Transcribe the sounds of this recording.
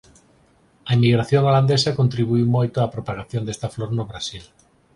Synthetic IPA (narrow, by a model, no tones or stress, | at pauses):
aemiɣ̞ɾaθjoŋoland̪esakont̪ɾiβuimojt̪oapɾopaɣ̞aθjo̞nd̪e̞st̪afloɾnoβɾasil